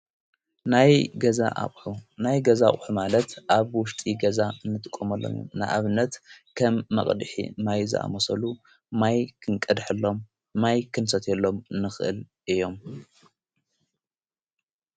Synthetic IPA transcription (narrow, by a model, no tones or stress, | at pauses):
najɡɐza̰ʔa̰χʼħunajɡɐzaχʼħumalɐt̪ʔaβwʊʃt̪ʼiɡɐzaɨnːɨt̪ʼɨ̥kʼːomɐlːo̰mo̰mnɨ̰ʔa̰βnːɐt̪kʰɐmːɐ̰χʼd̪ɨħḭmajzɨ̰ʔa̰mosɐlu | majkʰɨŋkʼɨd̪ħɨlːo̞mː | ajkʰɨnsɐt̪ʰelːo̞mɨnːɨxʔɨ̰l | ʔɨjo̞m